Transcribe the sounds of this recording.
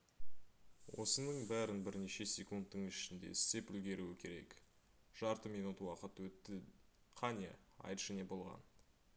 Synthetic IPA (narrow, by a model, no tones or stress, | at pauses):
wo̞̰sənəɴbæɾɪnbɪɾneʃe̞sʲekund̪ːəɴɪʃɪnd̪e̞̰ɪst̪e̞pʏlɡʲe̞ɾuɪkʲʰe̞ɾe̞̰k | ʒ̥ɑɾt̪əmijnut̪əwɑqət̪wɵt̪ːɪ | qʰɑnʲḛɑ̰jt̪ʒ̥æne̞bo̞lˠʁɑ̰n